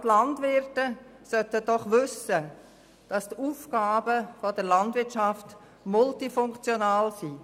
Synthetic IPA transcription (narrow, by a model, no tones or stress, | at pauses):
tlɑndʋɪɾtəsœtəd̥ɔχʋʏsə | d̥ɑstuːfɡaːbəfɔdəɾlɑndʋɪtʃɑft | mʊltifʊŋkt͡sjɔnaːlsiː